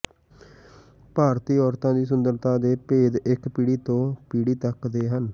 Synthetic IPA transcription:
paːɾt̪iːɔːɾt̪ãːd̪iːs̬ʊnd̪əɾt̪ãːd̪eːpeːd̪ɪkpiːɽiːt̪õːpiːɽiːt̪əkd̪eːɦən

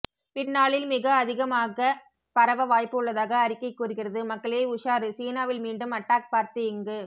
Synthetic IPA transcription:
pɪnːaːɭɪlmɪɣɐːðɪɣɐmaːɣɐ | pɐɾɐʋɐʋaːjpːɯɯɭːɐðaːɣɐːɾɪkːɐɪkːuːɾɯɣɪrɐðɯmɐkːɐɭɪjeːʊʂaːɾɯsiːnaːʋɪlmiːɳɖɯmɐʈːaːk̚paːɾt̪ɯɪŋɡɯ

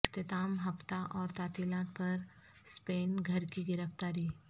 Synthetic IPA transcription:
t̪et̪aːmɦɐpt̪aʔɔːɾt̪aːt̪ilãːt̪pɐɾ | speːnɡʱɐɾkiɡɪɾəft̪aːɾiː

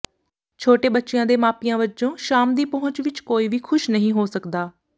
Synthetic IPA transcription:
t͡ʃʰoːʈeːbətːʃɪjãːd̪eːmaːpijãːʋət͡ʃõːʃaːmd̪iːpəɦʊ̃t͡ʃʋɪt͡ʃkoːiːʋiːkʰʊʃnəɦĩːɦoːsəkd̪aː

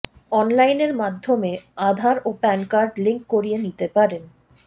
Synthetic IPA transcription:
ɔnlajneɾmad̪ʱːomead̪ʱaɾopɛnkaɾɖliŋk̚ːoɾienit̪epaɾen

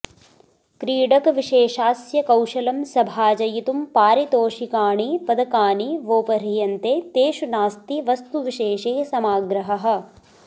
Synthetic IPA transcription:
kɾiːɖɐkʋiʃeːʃaːsjɐkɐwʃɐlɐmsɐbʱaːd͡ʒɐjit̪umpaːɾit̪oːʃikaːɳipɐd̪ɐkaːɳiʋoːpɐɾijɐnt̪eːt̪eːʃunaːst̪iʋɐst̪uʋiʃeːʃeːsɐmaːɡɾɐɦɐɦɐ̆

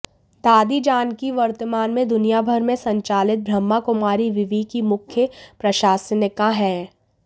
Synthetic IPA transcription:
d̪aːd̪id͡ʒaːnkiʋɐɾt̪əmaːnmẽd̪ʊnijabʱɐɾmẽsɐ̃ɲt͡ʃaːlɪt̪̚bʱɾɐmːakʊmaːɾiʋɪʋiːkimʊkʰjəpɾɐʃaːsnəkãɦɛ̃ː

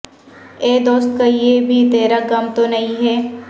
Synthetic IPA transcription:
eːd̪oːst̪kaijebʱit̪eːɾaɡɐmt̪onɐɦĩɦɛː

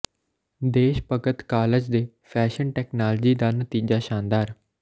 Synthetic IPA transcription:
d̪eːʃpəɡət̪kaːləd͡ʒd̪eː | pʰɛːʃənʈɛːknaːld͡ʒiːd̪aːnət̪iːd͡ʒaːʃaːnd̪aːɾ

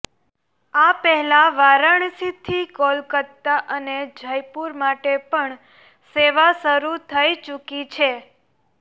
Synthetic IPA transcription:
apɛɦɛlaʋaɾəɳsit̪ʰikɔlkəɾt̪aʔəned͡ʒʱəjpuɾmaʈepəɳ | seʋasəɾut̪ʰəjt͡ʃukit͡ʃʰe

